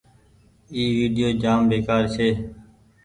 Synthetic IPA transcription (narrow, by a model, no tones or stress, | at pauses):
iːʋiːɖɪjoːd͡ʒaːmʋeːkaːɾsʰeː